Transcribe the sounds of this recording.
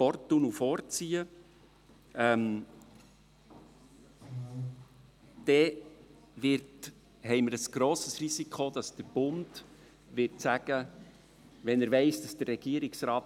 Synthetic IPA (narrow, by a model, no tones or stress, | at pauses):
pɔrtːunufɔːɾt͡siːə | ɛm | d̥ɛ | ʋɪɾt | hɛɪməɾəsɡ̥ɾoːsəsrisikχod̪ɑsd̥əɾb̥ʊnd | ʋɪɾtsæɡ̥ə | ʋɛnəɾʋɛɪsd̥ɑsd̥ərːɛɡ̥iəɾiksɾɑːt